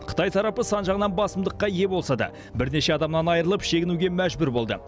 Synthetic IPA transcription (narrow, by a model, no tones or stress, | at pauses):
qʰə̥t̪ʰɑjt̪ʰɑɾɑpəsɑnʒɑʁənɑnbɑsəmd̪əqːɑje̞bo̞lˠsɑd̪ɑ̰ | bɪɾne̞ʃe̞ɑd̪ɑmnɑnɑjɾəlˠəpʃe̞ɡʲɪnuɡʲe̞mæʒbʊɾbo̞lˠd̪ə̰